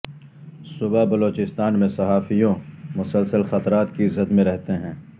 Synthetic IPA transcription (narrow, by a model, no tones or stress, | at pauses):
sʊbabɐloːt͡ʃɪst̪aːnmẽsɐɦaːfijõmʊsəlsəlxɐt̪ɾaːt̪kiɪzət̪mẽɾɛɦt̪eɦɛ̃ː